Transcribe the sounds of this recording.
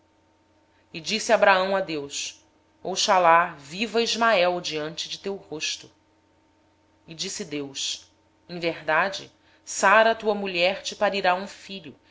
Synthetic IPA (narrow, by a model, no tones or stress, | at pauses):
ɪd͡ʒisiabɾaɐ̃w̃ad̪ews | owʃalavivɐiʒmaɛwd͡ʒiɐ̃nt͡ʃɪd͡ʒɪt̪ewhoʃt̪ʊ | ɪd͡ʒisɪd̪ews | ẽj̃veɦd̪ad͡ʒɪ̰ | saɾɐt̪uɐmuʎɛɾt͡ʃɪpaɾiɾaũfiʎʊ